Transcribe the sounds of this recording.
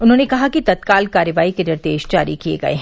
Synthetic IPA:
ʊnɦõːnekɐɦakit̪ɐt̪kaːlkaːɾəʋaːikenɪɾd̪eːʃd͡ʒaːɾikiḛɡɐ̰ḛɦɛ̃

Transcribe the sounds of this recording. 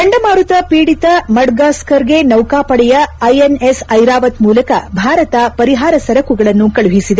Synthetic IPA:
d̪ɐɳɖɐmaːɾut̪ɐpiːɽit̪ɐmɐɽɡaːskɐɾɡe̞nɐwkaːpɐɽɛjɐɐjenesɐjɾaːʋɐt̪muːlɐkɐbʱaːɾɐt̪ɐpɐɾiɦaːɾɐsɐɾɐkuɡɐɭɐnːukɐɭuɦisid̪e

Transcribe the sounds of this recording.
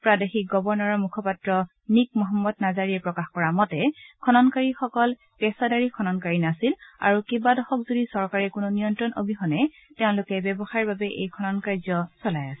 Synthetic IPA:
pɹadexik̚ɡɔbɔɹnɔɹɔmukʰɔpatɹɔ | nik̚mɔɦɔmːɔd̚nazaɹiɛpɹɔkaxkɔɹamɔtɛkʰɔnɔnkaɹixɔkɔl | pɛsadaɹikʰɔnɔnkaɹinasila̰ɹukebadɔxɔkzodisɔɹkaɹɛkʊnɔnijɔntɹɔno̰bʱixɔnɛ | teʊ̃lʊkɛbjɛbɔxaɹbabɛʔḛjkʰɔnɔnkaɹzɔsɔlajasɛ̥

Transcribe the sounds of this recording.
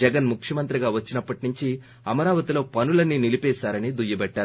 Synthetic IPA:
ɛɡɐnmukʂjɐmɐnt̪ɾiɡaːʋɐt͡ʃːinɐpːɐʈinuɲt͡ʃi | ɐmɐɾaːʋɐt̪ilo̞ːpɐnulɐnːinilipɛːʃaːɾɐnid̪ujɐbɛʈːaːɾu

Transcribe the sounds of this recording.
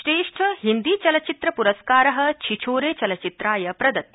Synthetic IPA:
ʃɾeːʂʈʰɐɦind̪iːt͡ʃɐlɐt͡ʃit̪ɾɐpuɾɐskaːɾɐɦɐ̆t͡ʃʰit͡ʃʰoːɾeːt͡ʃɐlɐt͡ʃit̪ɾaːjɐpɾɐd̪ɐt̪̚

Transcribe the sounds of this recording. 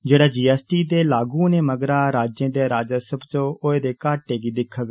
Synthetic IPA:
d͡ʒeːɽaːd͡ʒiːɛːsʈiːd̪eːlaːɡũːneːməɡɾaːɾaːd͡ʒẽːd̪eːɾaːd͡ʒasəbt͡ʃõːoeːd̪eːkaːʈeːɡiːd̪ɪkʰːaɡ

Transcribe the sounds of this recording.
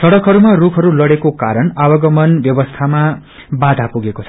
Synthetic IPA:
sʌɽʌkɦʌɾumarukʰʌɾulʌɽekokaɾʌnawʌɡʌmʌnbjʌbʌst̪ʰama | bad̪ʱapuɡekot͡sʰʌ̥

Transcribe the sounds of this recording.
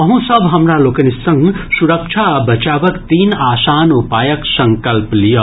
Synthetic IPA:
ʌɦũsəbʱɦəmɾalokənisːʌ̃ŋɡsuɾək̚t͡ʃʰabɐt͡ʃabəkt̪iːnaːsaːnupaːjəksəŋkəlplijə

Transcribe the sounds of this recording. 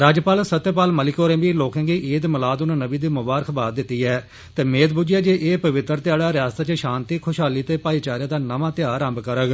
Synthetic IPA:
ɾaːd͡ʒpaːlsət̪ːepaːlməlɪkoːɾẽːbiːloːkãːɡiːʔeːd̪məlaːd̪ʊnãːnəbiːd̪iːmʊbaːɾəkʰbaːd̪̚d̪ɪt̪ːiːɛː | t̪eːmeːd̪̚bʊd͡ʒɪjaːd͡ʒeːʔeːpəʋɪt̪ːəɾt̪ɪjaːɽaːɾɪjaːst̪aːt͡ʃəʃãːnt̪iːkʰʊʃaːliːt̪eːpaːiːt͡ʃaːɾɪjaːd̪aːnəʋãːt̪jaːɾãːmbkəɾəɡ

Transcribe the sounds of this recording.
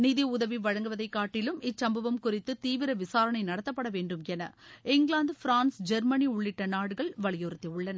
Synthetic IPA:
niðiʊðɐʋiʋɐɻɐŋɡɯʋɐðɐɪkːaːʈːɪlɯmɪsɐmbɐʋɐmkʊrɪt̪ːɯt̪iːʋɪɾɐʋɪsaːɾɐnɐɪnɐɽɐt̪ːɐpːɐɽɐʋeːɳɖɯmɛnɐɪŋɡɭaːnd̪ɯfɪɾaːnsd͡ʒɛɾmɐniʊɭːɪʈːɐnaːɽɯɣɐɭʋɐɭɪjɔɾɯt̪ːɐʊɭːɐnɐ

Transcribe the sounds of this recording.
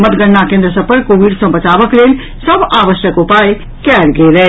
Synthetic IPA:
mət̪ɡəɳːakẽːnd̪ɾəsəpəɾkoːʋiːɖsɐ̃bɐt͡ʃaːʋəkleːl | sɐbaːʋəʃjəkʊpaːe | kɛːɾɡeːɾɛ

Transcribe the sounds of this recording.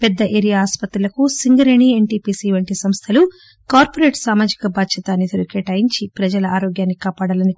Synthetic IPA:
pɛd̪ːɐʔeːɾijaaːspɐt̪ɾulɐkusiŋɡɐɾeɳieɳʈiːpiːsiʋɐɳʈisɐmst̪ʰɐlu | kaːɾpoɾe̞ːʈsaːmaːd͡ʒikɐbʱaːd̪ʃɐt̪aːnːit̪ʰoɾikɛːʈajiɲt͡ʃipɾɐd͡ʒɐlɐaːɾoːɡjaːnːikaːpaːɽɐlɐni

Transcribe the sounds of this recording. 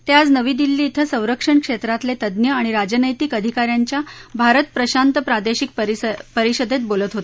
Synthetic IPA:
t̪jad͡znəʋiːd̪ilːiːt̪ʰəsə̃w̃ɾəkʂəɳkʂet̪ɾat̪let̪əd̪njəaɽ̃iɾad͡ʑənəjt̪iːkəd̪ʱikaɾjaɲt͡ɕjabʱaɾət̪pɾəɕant̪əpɾad̪eɕik̚pəpəɾiɕəd̪et̪̚bolət̪ɦot̪e

